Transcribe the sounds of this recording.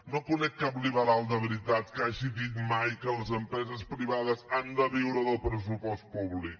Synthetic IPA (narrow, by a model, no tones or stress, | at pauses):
nokunɛkːapliβəɾalˠd̪əβəɾit̪at̪kaʒiðit̪majkələzəmpɾɛzəspɾiβaðəzand̪əβiwɾəðəlˠpɾəs̬upɔst̪̚puβlik̚